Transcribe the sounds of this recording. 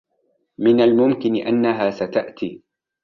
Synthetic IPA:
mɪnalmʊmkɪnɪʔanːaɦaːsat̪aʔt̪iː

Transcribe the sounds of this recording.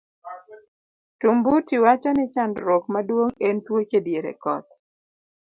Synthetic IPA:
tumbutiwat͡ʃɔnɪt͡ʃandɾɔkmadwoŋentwot͡ʃedjeɾḛkɔ̰t̪

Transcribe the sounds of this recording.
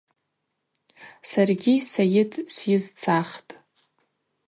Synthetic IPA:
sarɡʲisajɪtʰʼsjɪzt͡sʰaχtʼ

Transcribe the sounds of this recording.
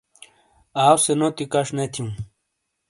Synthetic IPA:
aːwsenot̪ikaʂnet̪ʰjũ

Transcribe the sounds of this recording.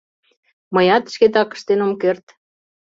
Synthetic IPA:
mɤjɑt̪ʃket̪ɑkə̥̆ʃt̪enomkert̪

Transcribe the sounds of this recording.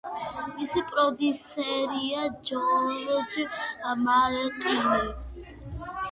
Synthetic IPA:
misipʼɾɔd̪isɛɾiad͡ʒɔlɔd͡ʒamalɛlqʼinɛ

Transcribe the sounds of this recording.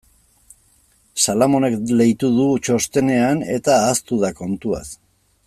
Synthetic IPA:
salamo̞ne̞kle̞jt̪uðut͡ʃo̞st̪e̞ne̞ane̞̰t̪aːst̪uðako̞nt̪ua̰s

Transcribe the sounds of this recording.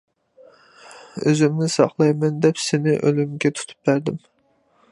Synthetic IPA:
ø̰zymnɪsɑ̰χlˠɑjmɛnd̪ɛpsɪnɪʔølymɡʲɛt̪ʰu̥t̪ʰu̥p̚bæɾd̪ɪm

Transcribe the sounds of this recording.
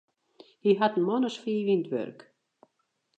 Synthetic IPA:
hiɦatn̩mɔnəsfiːʋintʋø̰rk

